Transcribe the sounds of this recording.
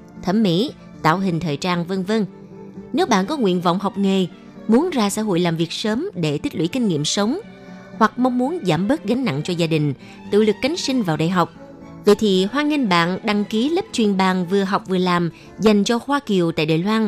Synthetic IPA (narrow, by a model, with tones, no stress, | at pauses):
t̪ʰə˧˩mmːḭ˧˥ | t̪a̰ː˧˨wɦï˨˩ŋ̟t̪ʰəː˨˩jt͡ɕaː˧nvə˧nvə˧n | ne˨˦wɓa̰ː˧˨nkɔ˨˦ŋwḭ˧˨ənvɔ̰˧˨wŋ͡mɦa˨˩wk͡p̚ŋe˨˩ | mu˨˦ənzaː˧sa̰ː˧˥ɦo̰˧˨jlaː˨˩mvi˨˩ək̚səː˨˦mɗe˧˩t̪ʰi˦˥k̟̚lwi˧˩˦kï˧ŋ̟ŋḭ˧˨əmsə˨˦wŋ͡m | hwa˨˩k̚ma˧wŋ͡mmu˨˦ənzaː˧˩mɓəː˦˥t̚ɣa˨˦jŋ̟na̰˧˨ŋt͡ɕɔ˧zaː˧ɗï˨˩ŋ̟ | t̪ɨ̰˧˨lɨ˨˩kːa˨˦jŋ̟sï˧ŋ̟vaː˨˩wɗa̰ː˧˨jɦa˨˩wk͡p̚ | və̰˧˨jt̪ʰi˨˩ɦwaː˧ŋi˧ŋ̟ɓa̰ː˧˨nɗa˧ŋki˨˦lə˦˥p̚t͡ɕwi˨˩ənɓaː˨˩nvɨ˨˩əɦa˨˩wk͡p̚vɨ˨˩əlaː˨˩m | za˨˩jŋ̟t͡ɕɔ˧xwaː˧ki˨˩əwt̪a̰ː˧˨jɗa̰ː˨jlwaː˧n